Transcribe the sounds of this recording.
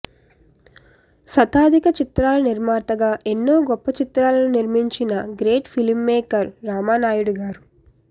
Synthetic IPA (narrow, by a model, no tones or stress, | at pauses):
sɐt̪aːd̪ʱikɐt͡ʃit̪ɾaːlɐniɾmaːɾt̪ɐɡaːʔenːoːɡɔpːɐt͡ʃit̪ɾaːlɐnuniɾmiɲt͡ʃinɐɡɾe̞ːʈpʰilimːeːkɐɾːaːmaːnaːjuɽuɡaːɾu